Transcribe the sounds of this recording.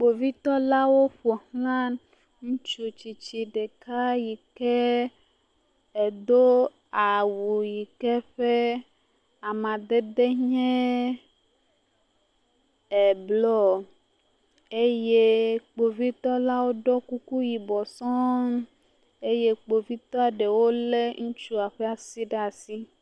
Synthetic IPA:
k͡po˨vi˦t̪ɔ˦la˦wo˦ɸo˨hlã˦n | ŋũ˦t͡ʃu˨t͡ɕi˨t͡ʃi˨ɖe˨ka˦ji˨kɛ˦ | e˨d̪o˦ | a˨wu˨ji˨kɛ˦ɸe˦ | a˨mã˨d̪e˦d̪e˦ɲɛ̃˦ | ɛ˨blɔ˦ | e˦je˦k͡po˨vi˦t̪ɔ˦la˦wo˦ɖɔ˦ku˦ku˦ji˨bɔ˨sɔ̃˦ | e˦je˦k͡po˨vi˦t̪ɔ˦a˨ɖe˨wo˦le˦ŋũ˦t͡ʃu˦a˨ɸe˦a˨si˦ɖe˦a˨si˦

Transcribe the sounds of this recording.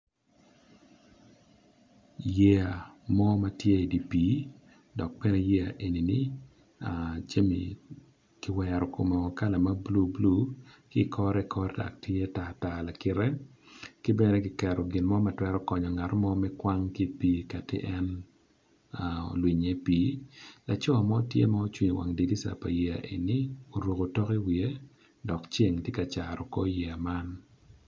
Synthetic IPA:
jɛ˦a˨mɔ˦ma˦tje˦i˨di˨piː˨˦ | dɔ˨k̚bɛ˦nɛ˦jɛ˦a̰˨ʔe˨ni˨ni˦ | a˨t͡ʃe˦mḭ˨ | kɪ˦wɛɾɔ˨ko˨mɔ˨ka˦la˨ma˦blu˦blu˦kɪ˦˨kʰɔ˦ɾɛ˦kʰɔ˦ɾɛda̰˨k̚tje˦ta˨ta˨la˨kɪ˨ɾɛ˦ | kɪ˦bɛ˦nɛ˦kɪ˨kɛ˨ɾɔ˨ɡɪ˨nmɔ˦ma˨twɛ˦ɾɔ˦kɔ˨ɲɔ˨ŋa˨ɾɔ˦mɔ˦mɛ˦kwa˦ŋki˦piː˦ka˨tɪ̰˦ʔɛ˦n | a̰˨lwi˨ɲe˦piː˦la˨t͡ʃɔ˦a˨mɔ˦tjḛ˦mɔ˦o˦t͡ʃwi˨ɲo˨wa̰˨ŋdi˨li˦sa̰˨pa̰˨je˨a̰˨ʔḛ˨ni˦o˨ɾwo˨ko˨tɔ˦ki˦wie˦ | dɔ˨kt͡ʃe˦ŋtje˦ka˨t͡ʃaɾɔ˨kɔ˦je˨a˨ma˦n

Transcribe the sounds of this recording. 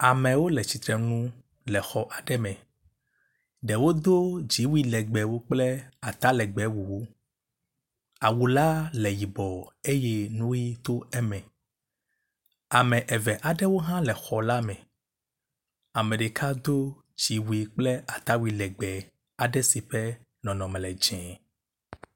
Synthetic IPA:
a˨mɛ̃˨wo˦lɛ˨t͡ɕi˨t̪ɾɛ˨nũ˦ | lɛ˨xɔ˨ʔa˨ɖɛ˦mɛ̃˨ | ɖɛ˨wo˦d̪o˦d͡ʑi˨˦wi˦lɛ˨ɡ͡bɛ˨wo˦k͡plɛ˦a˨t̪a˦lɛ˨ɡ͡bɛ˨˦wu˨wo˦ | a˨wu˨la˦lɛ˨ji˨bɔ˨e˦jɛ˦nũ˦ji˦t̪o˦ɛ˦mɛ̃˨ | a˨mɛ̃˨ʔɛ˨vɛ˨ʔa˨ɖɛ˦wo˦ɦã˦lɛ˨xɔ˨la˦mɛ̃˨ | a˨mɛ̃˨ɖe˨kʰa˦d̪o˦ | d͡ʒi˨˦wu˦i˨k͡plɛ˦a˨t̪a˦wi˨lɛ˨ɡ͡bɛ˨ | a˨ɖɛ˦si˨ɸɛ˦ | nɔ̃˨nɔ̃˨mɛ̃˨lɛ˨d͡ʒɛ̃˨

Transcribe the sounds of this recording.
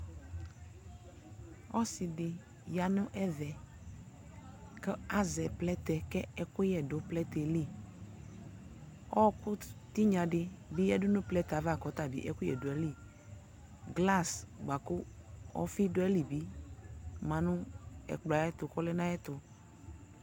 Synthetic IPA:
ɔ˦si˨dɪ˨ | ja˨nʊ̃˦ʔɛ˦vɛ˨ | kɛ˦a˦zɛ˨plɛ˦t̪ɛ˨kɛ˦ɛ˦kʊ˦jɛ˨dʊ˨plɛ˦t̪ɛ˨li˦˨ | ɔ˦kʊ˦t̪i˦ɲã˨ɖɪ˦bi˦ɛ˦dʊ˦nʊ̃˦plɛ˦t̪a˨va˦˨kɔ˨˦t̪a˨bḭ˨ʔɛ̰˦kʊ˦jɛ̰˨dʊ˨ɛ˨˦li˦˨ | ɡla˦˨sɡ͡ba˨kʊ˦ɔ̰˦fi˦dʊ˦ɛ˦li˨bi˦ | mã˨nʊ̃˦ɛ̰˨k͡pla˨˦ɛ˦t̪ʊ˨kɔ˦lɛ˦nã˦jɛ˦t̪ʊ˨

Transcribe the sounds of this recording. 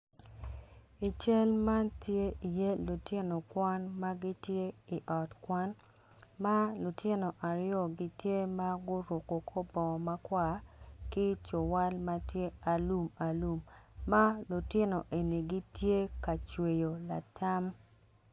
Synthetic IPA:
i˨t͡ʃe˦lma˦ntje˦ʔi˨je˦lu˨tɪ˦no˨kwa˦nma˦ɡi˦tje˦i˨ʔɔ˨tkwa˦n | ma˦lu˨tʰɪ˦no˨ʔa˨ɾjɔ˦˨ɡi˦tje˦ma˦ɡʊ˦ɾwo˨ko˨kʰo˦bɔ˨ma˦kwa˦˨kɪ˦t͡ʃo˨wa˦lma˦tje˦a˨lu˦ma˨lu˦mːa˦lu˨tɪ˦no˨ʔe˨ni˨ɡi˦tje˦ka˨t͡ʃwe˨jo˨la̰˨tʰa˦m

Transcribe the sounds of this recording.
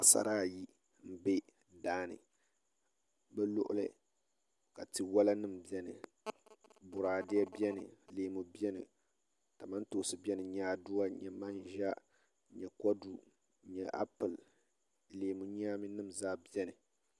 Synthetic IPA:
a˨sa̰˨ɾaː˦˨ji˦ | m̩˦be˦ | daː˦nɨ̰˨ | bɛ˦lʊ̰˦ʔʊ̰˦lɨ̰˦ | ka˨tɨ˨wa˦la˦nɨ˦m˨bi˨ɛ˦nɨ̰˨ | bʊ˨ɾaː˨dɪ˦ɛ˦bi˦ɛ˦nɨ̰˨leː˨mu˨bi˦ɛ˦nɨ̰˨ | ta˨ma˦n˦to˨˦sɨ˨bi˦ɛ˦nɨ˨ɲa˨˦˨du˦wa˦ɲɛ˨ma˦nʒa˦ | ɲɛ˨kɔ˦du˨ | ɲɛ˨ʔa̰˦pɨ˨l | leː˨mu˨ɲaː˦mɨ˦nɨ˦m˨zaː˦bi˦ɛ˦nɨ˨

